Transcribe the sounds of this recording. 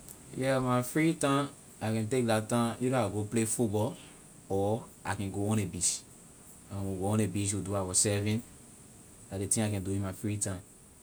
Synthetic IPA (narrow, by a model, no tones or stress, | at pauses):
jɛmaɪfɹitãm | akɛ̃ntek̚datãjuɾaaɡoplefut̚bɔl | ɔʔakɛ̃nɡoɔ̃nebiʃ | ãmwuɡoɔ̃nebiʃ̬wuduawɔsɛvĩn | ladetĩŋakɛ̃nduĩmafɹitãm